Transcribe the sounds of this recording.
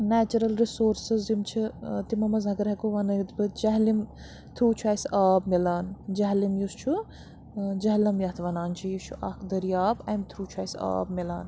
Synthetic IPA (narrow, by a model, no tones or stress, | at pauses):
næːt͡ʃɐɾɐlɾisoːɾsɨzdimt͡ʃʰit̪imɐmɐzɐɡɐɾɦkoʋɐnɐt̪bɨt̪d͡ʒɐɦlim | t̪ʰɾuːt͡ʃʰuajsaːbmilaːnd͡ʒɐɦlimjust͡ʃʰu | d͡ʒɐɦlɐmjɐɦt̪ʰʋɐnaːnt͡ʃʰijit͡ʃʰuʔɐkʰd̪ɐɾijaːbɐjmt̪ʰɾuːt͡ʃʰuajsa̰ːbmilaːn